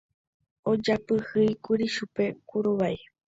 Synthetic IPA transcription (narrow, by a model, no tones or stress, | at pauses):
od͡ʒapɨhɨjkuɾiʃupe̞kuɾoβaj